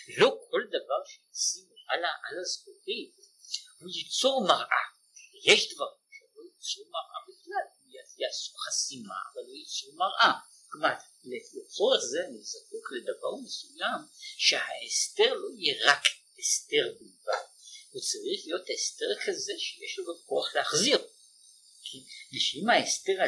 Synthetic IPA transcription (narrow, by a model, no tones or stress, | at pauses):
lo̞kʰo̞ld̪avaʁʃejasimʔalaʔalazkoʁimhujit͡suʁmaʁʔa̰ | jeʃd̪vaʁimʃelojit͡suʁmaʁʔabiχlalujajasu̥χasima̰a̰valːojit͡suʁmaʁʔa | kmat̪ | leet͡so̞ʁeχzenizakukled̪ava̰ʁmesujamʃehaest̪eʁlo̞ijeʁak | est̪e̞ʁbiva̰hut͡saʁiχlijo̞t̪est̪eʁkʰazeʃejeʃlazakoaχleaχziʁ | kʰiʃeimaest̪eʁ